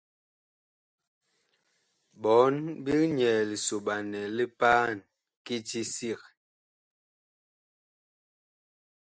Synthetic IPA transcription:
bɔ˨˦nbi˦lɲɛ˨li˨so˨ɓa˨nɛ˨li˦paː˦˨n | ki˦ti˦si˦˨k

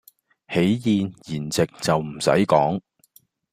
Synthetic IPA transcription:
he˨˥jjiː˨njiː˨˩nt͡sɪ˨k̚t͡sɐ˨wm̩˨˩sɐ̰˨˥jkɔ̰ː˨˥ŋ

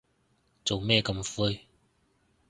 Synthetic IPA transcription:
t͡so˨wmɛː˥˧kɐ˧mfuː˧j

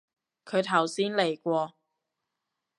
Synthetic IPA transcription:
kʰɵ˨˧ɥt̪ʰɐ˨˩wsiː˥nle˨˩jkʷɔː˧

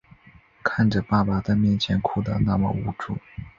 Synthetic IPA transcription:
kʰa˥˩nʈ͡ʂə˩pa˥˩pa˨˩t͡sa˥˧mjɛ˥˩nt͡ɕʰjɛ˧˥nkʰu˥˩d̪ə̰˨na˥˩mə̰˨˩u˧˥ʈ͡ʂṵ˥˩

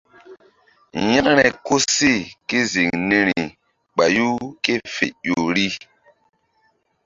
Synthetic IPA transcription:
jã˦ŋɾɛ˨ko˦si˦˨ke˦zi˨ŋni˦ɾi˨ | k͡pa˨ju˦ke˦fḛ˨jo˨ɾi˦

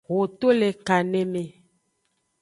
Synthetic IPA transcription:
wo˨t̪o˦le˨ka˨nẽ˦mẽ˨

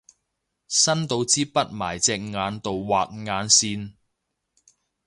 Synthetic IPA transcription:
sɐ˥nt̪o˨˧wt͡siː˥pɐ˥t̚maː˨˩jt͡sɛː˧k̚ŋaː˨˧nt̪o˨wwaː˨k̚ŋaː˨˧nsiː˧n

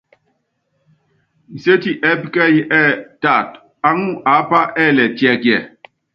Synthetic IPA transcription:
n̩˨se˦ti˨ʔɛ˦pkɛ˦jʔɛ˦ta˨t | a˦ŋu˦ʔa˨˦pa˦ʔɛ˦˨lɛ˨tjɛ˨kjɛ˨

